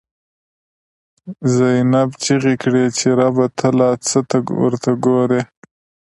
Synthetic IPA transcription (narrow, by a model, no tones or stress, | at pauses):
zajnabt͡ʃiɣikɽet͡ʃeɾabat̪ʰəlɑt͡sət̪aɡwə̰ɾt̪ʰaɡoɾe